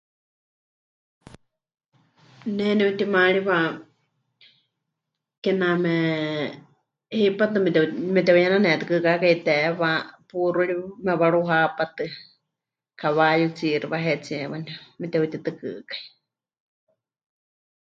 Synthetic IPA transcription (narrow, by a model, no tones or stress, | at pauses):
nɛniut̪imaɺiβa | kɛnamɛ | hipat̪ɨmɛt̪mɛt̪̬ɛwajananɛt̪ɨkɨkakait̪ɛβapuɾuɺimɛβaɺuɦapat̪ɨ | kʰaβajut͡siɾiβaɦɛt͡siɛβanamɛt̪ɛut̪it̪ɨkɨ̰kḁi